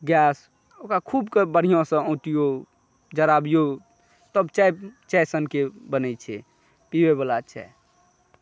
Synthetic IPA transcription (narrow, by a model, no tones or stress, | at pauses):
ɡas | okakʰubkebəɽ̤ijõsə̃õt̪ijo | d͡ʒəɾabijo | t̪əbt͡ʃajt͡ʃɛjsənkebənɛt͡ʃʰɛ̰ | pibebəlat͡ʃʰɛ̰